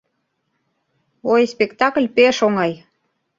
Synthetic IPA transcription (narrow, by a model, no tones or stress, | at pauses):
ojspekt̪ɑkəlʲpeʃoŋɑj